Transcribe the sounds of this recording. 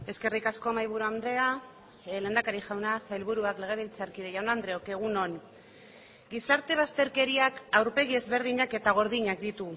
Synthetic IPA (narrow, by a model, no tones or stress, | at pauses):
e̞ske̞rikasko̞majβ̞uɾuand̪ɾe̞a | le̞ːnd̪akaɾiʝawnasajlβuɾuakle̞ɣ̞e̞β̞ilt͡saɾkiðejawnand̪ɾe̞oke̞ɣ̞uno̞n | ɡisaɾt̪e̞β̞ast̪e̞ɾke̞ɾiakawɾpe̞ɣ̞ie̞zβe̞ɾðiɲake̞t̪aɣ̞o̞ɾðiɲak̚d̪it̪u